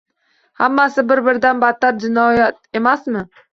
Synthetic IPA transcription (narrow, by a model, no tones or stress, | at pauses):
hamːasɪbɪɾbɪɾd̪anbat̪ːaɾ̚d͡ʒɪnɒjat̪e̞masmɪ